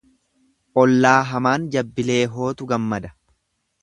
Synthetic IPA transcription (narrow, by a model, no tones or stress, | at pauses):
ʔɔlːaːɦɐmaːnd͡ʒɐbːɪle̞ːɦo̞ːt̪ʊɡɐmːɐd̪ɐ̥